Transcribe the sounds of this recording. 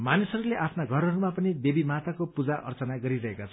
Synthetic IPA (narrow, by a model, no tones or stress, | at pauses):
manisʌɾuleʔapʰnaɡʱʌɾʌɾumapʌnid̪ebimat̪akopud͡zaʔʌ̰rt͡sʌnaɡʌɾiɾʌɦekat͡sʰʌ